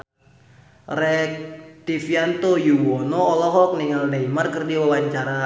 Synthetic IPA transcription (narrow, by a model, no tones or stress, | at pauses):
rɛk̚t̪ifiant̪ojuwɔnɔːlɔɦɔk̚niŋaldaimarkɨrdiwawaɲt͡ʃaɾa